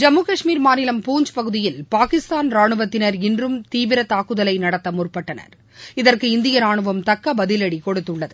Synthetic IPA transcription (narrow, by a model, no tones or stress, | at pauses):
d͡ʒɐmːukɐʂmiːɾmaːnɪlɐmpuːɲd͡ʒpɐɣɯðɪjɪlpaːkɪst̪aːnɾaːɳɯʋɐt̪ːɪnɐɾɪndrɯmt̪iːʋɪɾɐt̪aːkːɯðɐlɐɪnɐɽɐt̪ːɐmʊrpːɐʈːɐnɐ̰ɾ | ɪðɐrkɯɪnd̪ɪjɐɾaːɳɯʋɐmt̪ɐkːɐbɐðɪlɐɽikɔɽɯt̪ːɯɭːɐðɯ